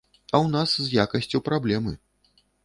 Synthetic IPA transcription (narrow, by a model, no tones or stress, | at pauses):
ɐwnaszjakɐsʲt͡sʲupɾablʲɛmɨ̰